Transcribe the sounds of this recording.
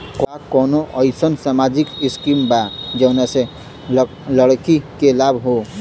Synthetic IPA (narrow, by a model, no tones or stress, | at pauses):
kwakɔnoʔəɪsənsamad͡ʒikiskimbad͡ʒənase | ləɽkikelabʱɦo